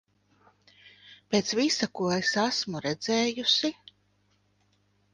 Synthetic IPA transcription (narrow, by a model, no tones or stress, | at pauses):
pʲeːt̪svisakuɔesasmuɾɛd̪zeːjusi